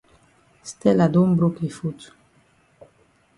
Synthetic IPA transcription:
st̪ɛlad̪umbɾukifut͡su̥

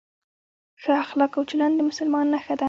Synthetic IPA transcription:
xaaxlɑkawt͡ʃɪland̪əmʊsʊlmɑnnaxad̪a

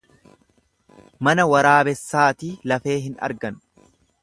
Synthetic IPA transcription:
mɐnɐwɐɾaːbɛsːaːt̪ilɐfe̞ːɦɪnɐ̰ɾɡɐn

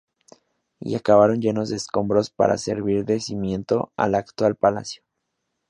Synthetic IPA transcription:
ḭakaβaɾo̞nd͡ʒe̞no̞zd̪eːsko̞mbɾo̞spa̰ɾa̰se̞ɾβiɾðe̞simje̞nt̪o̞a̰lakt̪walpala̰sjo

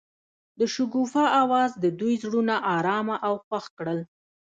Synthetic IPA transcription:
d̪əʃʊɡufaʔawɑzd̪əd̪ujzɽunaʔɑɾɑmaʔawxwaxkɽəl

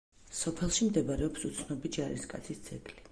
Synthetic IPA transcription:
sɔpʰɛlˠʃimd̪ɛbaɾɛɔpsut̪sʰnɔbid͡ʒaɾḭɾskʼat̪sʰisd̪z̥ʰɛɡʼli

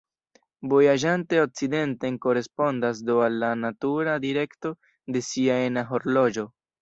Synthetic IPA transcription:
vo̞jaʒante̞ok̚t͡side̞nte̞ŋko̞ɾe̞spo̞ndas̬doalːanatuɾadiɾe̞kto̞ | de̞siaenaɦo̞ɾlo̞d͡ʒo̞

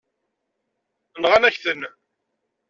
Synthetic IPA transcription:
nʁanæçθən

